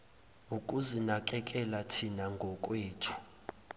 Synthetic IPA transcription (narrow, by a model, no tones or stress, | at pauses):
uk̬ʼuzinak̬ʼɛk̬ʼɛlatʰinaŋɡʱɔk̬ʼweːtʰu̥